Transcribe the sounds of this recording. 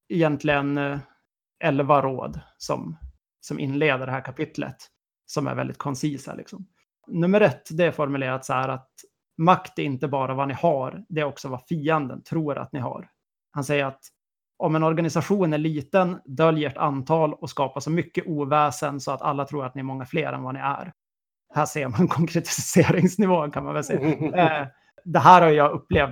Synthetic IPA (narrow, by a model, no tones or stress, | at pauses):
ɪjɛnt̪ʰlɪɡən | ʔɛlvaɾo̰ːd̪sɔ̰m | sɔmʔɪ̰nleːd̪əɖɛɦæːɾkʰapʰɪt̪ʰlə̰t̪ | sɔmæ̰ɾvɛ̰ld̪ɪt̪̚kʰɔnsiːsa̰lɪ̰ksɔm | nɵmːəɾɛt̪ːd̪ɛæɾfɔɾmɵleːɾat̪sahæɾat̪̚ | makt̪æɾɪnt̪əbɑːɾavanɪhaɾd̪ɛɾɔksɔvafiːənd̪ə̰nt̪ʰɾuːɾa̰t̪nɪɦa̰ɾ | hansɛjːəɾat̪ | ɔmɛnɔɾɡanɪsaɧuːnæɭiːt̪ənd̪œljəʈa̰nt̪ʰɑːlɔskɑːpasɔmʏkːəʔuːvɛːsənsɔat̪a̰lːat̪ʰɾuːɾat̪̚nɪɛɾmɔŋːafleːɾʔɛ̰nvanɪæ̰ɾ | hæːʂeːɾmankʰɔŋkʰɾɛt̪ʰɪ̥seːɾɪŋsnɪvoːnkʰanmanvɛlsɛjː | d̪ɛɦæːɾhaɾjɵjɑːɡɵpːleːv